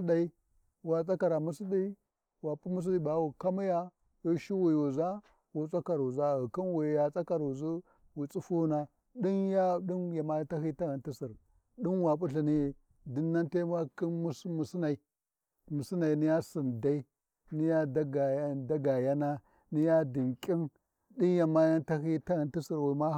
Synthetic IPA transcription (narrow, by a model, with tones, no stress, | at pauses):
da˨i˦ | wa˨t͡sʼa˦ka˨ɾa˨mu˦si˦ɗi˦ | wa˨pʼu˦mu˦s̬i˦ɗi˦ba˨˦wu˨ka˦mi˦ja˦ | wu˦ʃi˦wi˨wu˨za˦ | wu˨t͡sʼa˦ka˨ɾwu˨za˦ɣu˨ki˦nwi˨ja˨t͡sʼa˦ka˨ɾwu˨zu˦ | wi˨t͡sʼu˦fu˦na˨ | ɗi˦nja˦ɗi˦nja˨ma˦ta˦hi˦ta˦ɣa˨nti˦si˨ɾ | ɗi˦nwa˨pu˦ɬi˨ni˦ | di˦nːa˦nte˦m˦a˦ki˦mu˦smu˨si˦na˨i˨ | mu˨si˦na˨i˨ni˦ja˦si˨nda˦i˦ | ni˦ja˦da˦ɡa˨a˦da˦ɡa˨ja˦na˦ | ni˦ja˦di˨ŋkʲʼi˦n | di˦nja˨ma˦ja˦nta˦hi˦ta˦ɣa˨nti˦si˨ɾwi˨ma˦